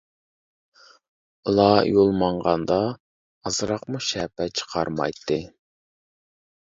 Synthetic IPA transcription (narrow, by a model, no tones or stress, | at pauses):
ulˠɑjolˠmɑɴʁɑnd̪ɑ | ɑzɨɾɑqmuʃɛːpɛt͡ʃʰə̥qʰɑɾmɑ̰jt̪ʰːɨ